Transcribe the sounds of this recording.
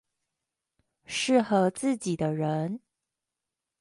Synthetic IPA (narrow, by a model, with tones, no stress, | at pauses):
ʂɻ̩˥˩xɤ˧˥t͡sɹ̩˥˩t͡ɕi˨˩d̪ə˦ɻə˧˦˥n